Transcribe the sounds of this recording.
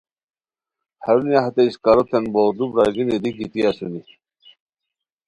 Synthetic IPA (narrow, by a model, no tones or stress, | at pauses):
hɐɾunijaɦat̪eiɕkaɾot̪ʰenbod̪ubɾaɡinid̪iɡit̪iasuni